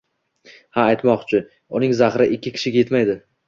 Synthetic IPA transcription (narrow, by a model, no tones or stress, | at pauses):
haːjt̪mɒqt͡ʃʰɪ | ʊnɪŋzaχɾɪʔɪkʲʰːɪkʲʰɪ̥ʃɪɡʲajet̪majd̪ɪ